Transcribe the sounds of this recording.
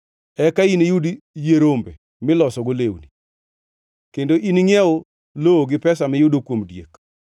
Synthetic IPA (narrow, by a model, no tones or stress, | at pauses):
ɛkainejud | jeɾombe | mɪlɔsɔɡolewni | kendoʔiniŋɛo | looɡɪpɛsamɪjʊdokwomdjḛk